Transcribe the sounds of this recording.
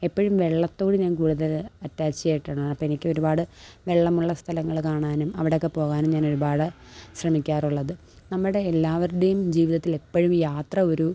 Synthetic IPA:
e̞pːɐɻumʋe̞ɭːɐt̪ːo̞ːɽɨɲaːnkuːɽuðɐlɐtːaːt͡ɕːijejʈːaːɳɨɐpːɐenikʲːɨo̞ɾubaːɽɨʋe̞ɭːɐmuɭːɐst̪ʰɐlɐŋːɐɭkaːɳaːnumɐʋiɽeo̞kːe̞po̞ːɣaːnumɲaːno̞ɾubaːɽɨ | ɕrɐmikʲːaːruɭːɐðɨ | nɐmːuɽe̞ːlːaːʋɐɾuɽejumd͡ʑiːʋiðɐt̪ːile̞pːɐɻumjaːt̪rɐo̞ɾu

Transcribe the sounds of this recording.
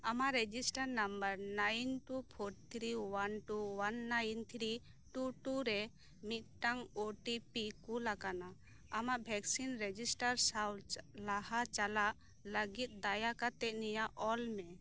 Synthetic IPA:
amaʔɾɛd͡ʒisʈaɾnambəɾnajnʈupʰoʈ̚t̪ʰɾiwanʈuwanːajnt̪ʰɾi | ʈuʈuɾɛ | mit̪̚ʈaŋoʈipikulakana | amaʔbʱɛksinɾɛd͡ʒisʈaɾsawllahat͡ʃalaʔ | ləɡit̪̚ˀd̪ajakat̪ɛʔ̚nijaʔʔɔlmɛ

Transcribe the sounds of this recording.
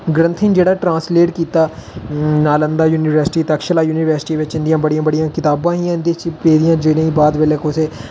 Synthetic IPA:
ɡɾə̃nt̪ʰɪ̃ŋd͡ʒeːɽaːʈɾãːnsleːʈkiːt̪aː | naːlənd̪aːjuːnɪʋəɾsɪ̥ʈiːt̪əkʃəlaːjuːnɪʋəɾsɪ̥ʈiːʋɪt͡ʃɪ̃nd̪ɪjãːbəɽijãːbəɽɪjãːkɪt̪aːbãːɦĩːɪ̃nd̪it͡ʃpeːd̪ɪjãːd͡ʒeːɽẽːiːbaːd̪ʋeːleːkʰoseː

